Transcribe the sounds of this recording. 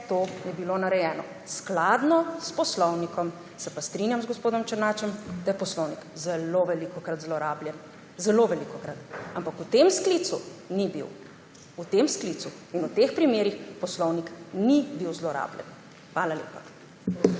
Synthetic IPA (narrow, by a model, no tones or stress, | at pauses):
t̪oːjɛbilonaɾɛjɛːnɔ̰ | sklad̪nɔspɔslɔwnikɔm | sɛpast̪ɾinjamzɡɔspoːd̪ɔmt͡ʃəɾnaːt͡ʃɛmd̪ajɛpɔslɔwnikzɛloʋɛlikɔkɾat̪zlɔɾaːbljɛn | zɛloʋɛlikɔkɾat̪ampakut̪emsklit̪sunibḭw | ut̪emsklit̪su | inut̪expɾimeːɾixpɔslɔwniknibiwzlɔɾa̰ːbljɛ̰n | xʋaːlalḛːpa